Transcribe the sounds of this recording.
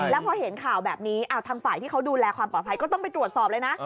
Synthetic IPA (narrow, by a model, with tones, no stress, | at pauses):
lɛː˦˥wpʰɔː˧he˩˦nkʰaː˨˩wbɛː˨˩p̚niː˦˥ʔʔaː˧˩wt̪ʰaː˧ŋfaː˨˩jt̪iː˥˩kʰwduː˧lɛː˧kʰwaː˧mpɔː˨˩t̪̚pʰa˧jkɔː˥˩t̪ɔ˥˩ŋpa˧jt̪ɾu˨˩ət̪̚sɔː˨˩p̚lɤ˧jna˦˥